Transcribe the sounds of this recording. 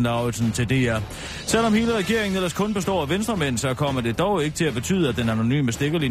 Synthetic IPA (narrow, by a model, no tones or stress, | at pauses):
lɑ̈ʊl̩sn̩t͡sʰe̝ld̥e̝æɐ | sel̰ɒ̽mhe̝ːləʁɛɡ̥e̝ɐe̝ŋn̩elɐskʰɔ̽nb̥e̝sd̥ɒ̰ːæʋensd̥ʁɐmæn̰n̩sɒ̽kʰɒ̽m̰ɐd̥e̝d̥ɒʊe̝ɡ̥ə̥t͡sʰe̝læb̥e̝t͡sʰy̰ːð̞ˠəæd̥enæno̝ny̰ːməsd̥e̝ɡ̥ɐli